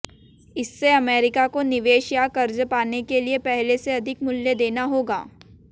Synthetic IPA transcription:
ɪsːeɐmeːɾɪkakonɪʋeːʃjakɐɾd͡ʒpaːnekeliepɛɦleseɐd̪ʱɪkmʊljed̪eːnaɦoːɡa̰ː

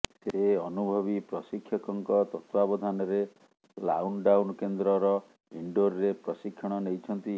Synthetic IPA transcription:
seɔnubʱɔbipɾɔsikʰːjɔkɔŋkɔt̪ɔt̪wabɔd̪ʱanɔɾe | la̰wnɖawnɔkend̪ɾɔɾɔ | iɳɖoɾɾepɾɔsikʰːjɔɽ̃ɔnejt͡ʃʰɔnt̪i

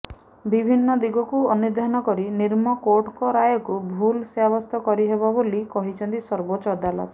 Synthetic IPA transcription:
bibʱinːɔd̪iɡɔkuɔnud̪ʱanɔkɔɾiniɾmɔkoʈkɔɾajɔkubʱulseabɔst̪ɔkɔɾiɦeβabolikɔɦit͡ʃʰɔnt̪isɔɾbot͡ʃɔd̪alɔ̰t̪ɔ

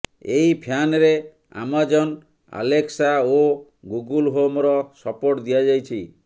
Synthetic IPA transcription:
eipʰjanɾe | a̰mad͡ʒɔn | a̰leksao | ɡuɡulɦomɾɔsɔpoʈd̪iad͡ʒajt͡ʃʰi

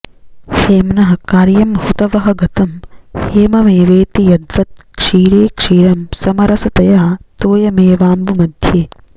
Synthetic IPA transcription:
heːmnɐɦɐkaːɾjɐmhut̪ɐʋɐɦɐ̆ɡɐt̪ɐmheːmɐmeːʋeːt̪ijɐd̪ʋɐt̪̚kʂiːɾeːkʂiːɾɐmsɐmɐɾɐsɐt̪ɐjaːt̪oːjɐmeːʋaːmbumɐd̪ʱjeː

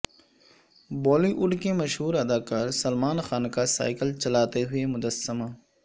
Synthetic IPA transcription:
bɔːliʔʊɖkemɐʃɦuːɾɐd̪aːkaːɾsɐlmaːnxaːnkasa̰ːɪkəlt͡ʃɐlaːt̪eɦʊemʊd̪əsːəmaː

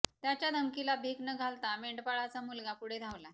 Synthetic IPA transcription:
t̪jat͡ɕjad̪ʱəmkilabʱeknəɡʱalt̪ameɳʈpaɭat͡samulɡapuɽ̤ed̪ʱaʋla

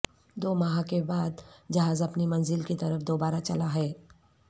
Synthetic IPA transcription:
d̪oːmɐɦãkebaːd̪̚d͡ʒɐɦaːzɐpnimɐnzɪlkit̪ɐɾəfd̪oːbaːɾat͡ʃɐlaɦɛː

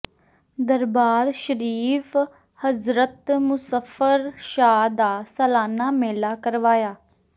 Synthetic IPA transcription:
d̪əɾbaːɾʃəɾiːf | həzɾət̪mʊsəfəɾʃaːd̪aːsəlaːnaːmeːlaːkəɾʋaːjaː

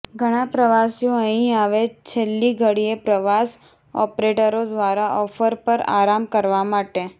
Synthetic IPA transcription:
ɡʱəɽ̃apɾəʋasjõəɦĩaʋet͡ʃʰelːiɡʱəɽiepɾəʋas | ɔ̰pɾeʈəɾod̪ʋaɾaʔɔfəɾpəɾa̰ɾamkəɾʋamaʈe

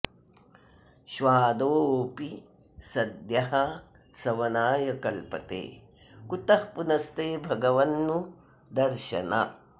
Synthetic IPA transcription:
ʃʋaːd̪oːoːpi | sɐd̪jɐɦa | sɐʋɐnaːjɐkɐlpɐ̰t̪ḛː | kut̪ɐhpunɐst̪eːbʱɐɡɐʋɐnːu | d̪ɐɾʃɐ̰na

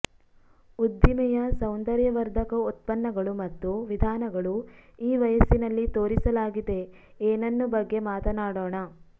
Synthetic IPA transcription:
ud̪ːimɛjɐsɐwnd̪ɐɾjɐʋɐɾd̪ʱɐkɐut̪̚pɐnːɐɡɐɭumɐt̪ːuʋid̪ʱaːnɐɡɐɭuiːʋɐjɐsinɐlːit̪o̞ːɾisɐlaːɡid̪e̞ | eːnɐnːubɐɡːe̞maːt̪ɐnaːɽoːɳɐ

